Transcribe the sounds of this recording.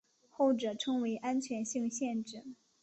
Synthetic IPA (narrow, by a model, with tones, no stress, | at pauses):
xo˥˩ʊʈ͡ʂɤ˨˩ʈ͡ʂʰɤ˥ŋwe˧˥ɪʔa˥nt͡ɕʰɥɛ˧˥nɕi˥˧ŋɕjɛ˥˧nʈ͡ʂɻ̩˥˩